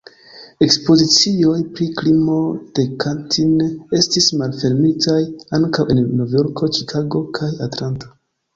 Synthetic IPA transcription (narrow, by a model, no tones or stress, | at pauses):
e̞kspo̞zit͡sio̞jpɾiklimo̞d̥e̞kantʰine̞stismalfe̞ɾmitʰajaŋkawe̞nːovjo̞ɾko̞t͡ʃikʰaɡo̞kʰajatlanto̞̥